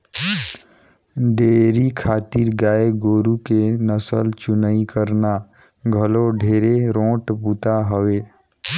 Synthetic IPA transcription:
ɖeːɾikʰaːt̪iːɾɡaːeɡoːɾukenəsə̰lt͡ʃʊnəikəɾna | ɡʱəloɖʱeːɾeɾõːʈbut̪aɦəʋeː

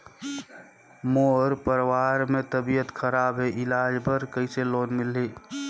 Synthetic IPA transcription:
moːɾpəɾwaɾmet̪əbijət̪kʰəɾaːbɦeʔɪlaːd͡ʒbəɾkəiseloːnmɪlːeː

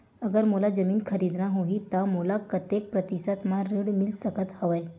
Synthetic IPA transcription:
əɡəɾmulad͡zəmiːnkʰəɾid̪naɦoɦit̪amulakət̪jek̚pɾət̪isat̪mãɾəɽmilsəkət̪həʋəj

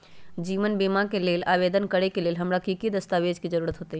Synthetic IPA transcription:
d͡ʒiːʋənbeːmãkeleːlaːʋeːd̪ənkəɾekeleːlɦɐmɾakikid̪əst̪aːʋeːd͡ʒkid͡ʒəɾuːɾət̪ɦoːt̪ei

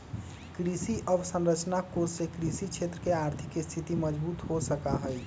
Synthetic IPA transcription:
kɾisiʔəbsə̃nɾət͡ʃnakod͡ʒsekɾisit͡ʃʰet̪ɾəkeaɾt̪ʰɪkist̪ʰit̪iməd͡ʒbuːt̪ɦosəkaɦəj

